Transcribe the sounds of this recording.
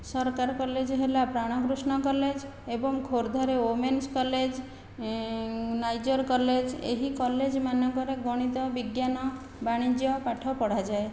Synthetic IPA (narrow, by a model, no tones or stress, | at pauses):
sɔɾkaɾɔkɔled͡ʒɔɦelapɾaɽ̃ɔkɾusɳ̃ɔkɔled͡ʒ | ebɔŋkʰoɾd̪ʱɔɾeomenskɔled͡ʒ | najd͡ʒɔɾkɔled͡ʒḛɦikɔled͡ʒmanɔkɔɾeɡɔɽ̃it̪ɔbiɡjanɔ | baɽ̃id͡ʒjɔpaʈʰɔpɔɽ̤ad͡ʒae